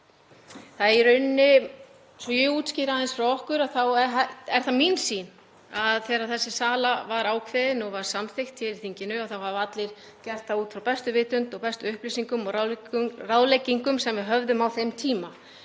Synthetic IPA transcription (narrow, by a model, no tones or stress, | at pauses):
θaðɛɾʏnːɪ | svjʏuːt̪sciːɾaðɛnsfɾawɔhkʏɾaðθawɛɛɾ̥θaminsin | aðθɛːɾaðθɛsːɪsaːlavaɾaːwkʰvɪðɪnɔɣvaɾ̥samθext̪ʰːɪlɪ̥θiɲcɪnʏaθawhavat̪lɪɾ̥ | cɛr̥t̪θauːt̪fɾawpɛst̪ʏvɪːt̪ʏnt̪ɔɣpɛst̪ʏʏhplisiŋkʏmɔɣraraðlejcːiŋkʏmsɛmvɪðɦœvðʏmawθemt̪ʰiːma